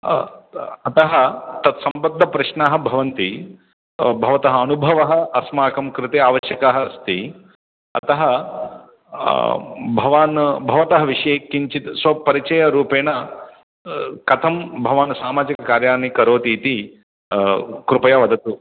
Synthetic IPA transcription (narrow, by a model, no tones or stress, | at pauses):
ɐt̪ɐɦɐt̪ɐt̪sɐmbɐd̪ʱːɐpɾɐʃnaːɦɐ̆bʱɐʋɐnt̪i | bʱɐʋɐt̪ɐɦɐɐnubʱɐʋɐɦɐ̆ɐsmaːkɐmkɾɪt̪eaːʋɐʃjɐkaːɦɐst̪i | ɐ̰t̪ɐɦɐ | bʱɐʋaːnbʱɐʋɐt̪ɐɦɐʋiʂɐjeːkːiɲt͡ʃit̪sʋɐpɐɾit͡ʃɐjɐɾuːpeːnɐ | kɐt̪ʰɐmbʱɐʋaːnɐsaːmaːd͡ʒikɐkaːɾjaːnikɐɾoːt̪iːt̪i | kɾupɐjaʋɐd̪ɐt̪u